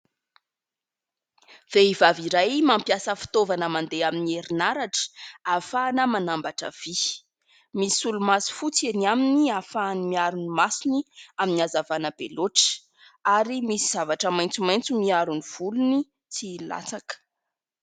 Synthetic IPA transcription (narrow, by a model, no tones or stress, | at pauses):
v̥eivaviɾajmampjasəfi̥t̪ovanəmand̪eaminieɾinaɾaʈ͡ʂə̥afaːnəmanambaʈ͡ʂə̰v̥i | misulumasi̥fut͡senaminiafaːnimiaɾunimasiniaminiazavanəbḛloʈ͡ʂə̥ | aɾimisiz̥avaʈ͡ʂəmajnt͡sumajnt͡sumiaɾuniv̥uluni | t͡sila̰t͡sakə̥